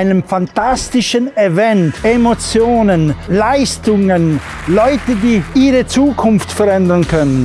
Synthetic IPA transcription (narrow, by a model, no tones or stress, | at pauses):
ɪnəmfantastɪʃənevɛntʔemot͡sjoːnənlaɪstʊŋən | lɔʏtədiːʔiːʁət͡suːkʰʊnftfɛʁɾɛndənkʰœnən